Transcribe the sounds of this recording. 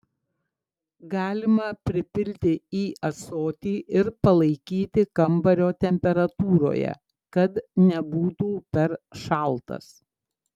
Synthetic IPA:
ɡɑːlʲɪmɐpʲɾʲɪpʲɪlʲt̪ʲɪiːʔɐsoːt̪ʲiːʔɪɾpɐlˠɐɪkʲiːt̪ʲɪkɐmbɐɾʲoːt̪ʲɛmʲpʲɛɾɐt̪uːɾo̰ːjɛ̰ | kɐt̪nʲɛbuːt̪uːpʲɛɾʃɑˑlˠt̪ɐ̰s

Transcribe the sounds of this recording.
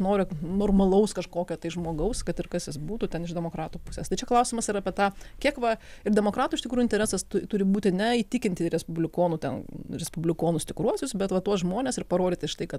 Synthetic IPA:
noːɾʲɪnoːrmɐlˠɐʊskɐʃkoːkʲɛt̪ɐɪʒmoːɡɐʊskɐt̪ɪrkɐsjɪsbuːt̪uːt̪ʲɛnɪʒd̪ʲɛmoːkɾɑːt̪uːpʊsʲeːst̪ɐɪt͡ʃʲɛklˠɐʊsʲɪmɐsɪɾɐːpʲɛt̪ɑːkʲiɛkʋɐɪɾdʲɛmoːkɾɑːt̪uɪʃt̪ʲɪkɾuːʊɪnʲt̪ʲɛɾʲɛːsɐst̪ʊt̪ʊɾʲɪbuːt̪ʲɪnʲɛiːt̪ʲɪkʲɪnʲt̪ʲɪɾʲɛspʊbʲlʲɪkoːnʊt̪ʲɛ̰nɾʲɛspʊbʲlʲɪkoːnʊsʲt̪ʲɪkɾuɔsʲʊsbʲɛt̪ʋɐt̪uɔsʒmoːnʲeːsɪrpɐɾoːd̪ʲɪːt̪ʲɪʃt̪ɐɪkɐt̪

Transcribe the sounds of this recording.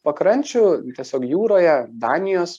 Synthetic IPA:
pɐkɾɐnʲt͡ʃʲʊt̪ʲiɛsʲoːkjuːɾoːjɛd̪ɑːnʲɪjoːs

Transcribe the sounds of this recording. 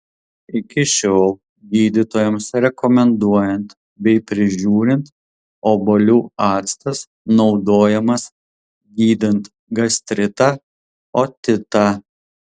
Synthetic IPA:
ɪkʲɪʃʲoːlˠ | ɡʲiːd̪ʲɪt̪oːjɛmsɾʲɛkɔmʲɛnd̪uɔjɛnt̪ | bʲɛɪpʲɾʲɪʒʲuːɾʲɪnt̪ | oːbolʲuːɑːt̪st̪ɐs | nɒʊd̪oːjɛmɐs | ɡʲiːd̪ʲɪnt̪ | ɡɐsʲt̪ʲɾʲɪt̪ɑ | oːt̪ʲɪt̪ɐ

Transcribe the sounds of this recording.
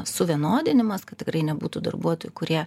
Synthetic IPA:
sʊʋʲiɛnoːd̪ʲɪnʲɪmɐskɐt̪t̪ʲɪkɾɐɪnʲɛbuːt̪uːd̪ɐ̰rbuɔt̪oːjʊkʊɾʲiɛ

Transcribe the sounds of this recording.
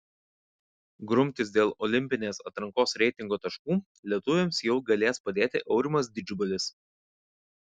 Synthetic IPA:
ɡɾʊmʲt̪ʲɪs̬d̪ʲeːlˠɔlʲɪmʲpʲɪnʲeːsɐt̪ɾɐŋkoːsɾʲɛɪt̪ʲɪŋɡoːt̪ɐʃkuː | lʲiɛt̪ʊʋʲɪmsjɛʊɡɐlʲeːspɐd̪ʲeːt̪ʲɪʔɛʊɾʲɪmɐs̬d̪ʲɪd͡ʒʲʊbɐlʲɪs

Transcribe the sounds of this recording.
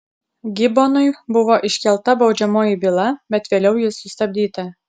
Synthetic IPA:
ɡʲɪbonʊɪbʊʋoːʔɪʃʲkʲɛlˠt̪ɐbɒʊd͡ʒʲɛmoːjɪbʲɪlˠɐbʲɛt̪ʋʲeːlʲɛʊjɪsʊst̪ɐbʲd̪ʲiːt̪ɐ

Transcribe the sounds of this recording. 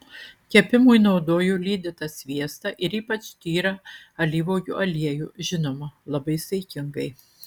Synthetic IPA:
kʲɛpʲɪmujnɒʊd̪oːjuːlʲiːd̪ʲɪt̪ɐsʲʋʲiɛst̪ɐʔɪɾiːpɐt͡ʃt̪ʲiːɾɐɐlʲiːʋoːjṵːʔɐlʲiɛjuːʒʲɪnoːmɐlˠɐbɐɪsʲɐɪkʲɪŋɡɐɪ

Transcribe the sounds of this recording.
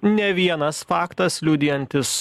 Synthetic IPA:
nʲɛʋʲiɛnɐsfɑːkt̪ɐslʲuːd̪ʲɪjɛnʲt̪ʲɪs

